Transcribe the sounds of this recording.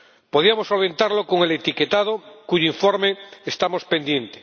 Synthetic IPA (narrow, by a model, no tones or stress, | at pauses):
poðiamosːolβe̞nt̪aɾlokoŋelet̪iket̪að̞okuʝoiɱfoɾmeest̪amospe̞nd̪je̞nt̪e̥